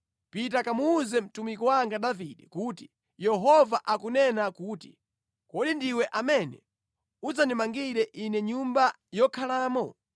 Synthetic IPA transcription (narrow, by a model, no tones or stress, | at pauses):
pit̬akamuːzɛm̩tumikɔwaŋɡaɗaviɗɛkuːti | jɛɦɔvaʔakunɛnakuːtḭ | kɔɗindiwɛʔamɛnɛ̰ | uzanimaŋɡiɾɛʔinɛɲumba | jɔkʰalaːmɔ